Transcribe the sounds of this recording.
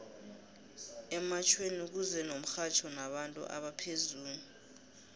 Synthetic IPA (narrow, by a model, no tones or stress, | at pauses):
ɛmat͡ʃʰwenuk̬uzɛnom̩xat͡ʃʰɔnaɓantʼṵʔa̰ɓapʰezuːɲu